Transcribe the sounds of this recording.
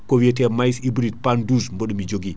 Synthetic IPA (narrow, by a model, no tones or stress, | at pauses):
kowiet̬ɛmajisibɾit̚panduːsmbəɗumid͡ʒoɡi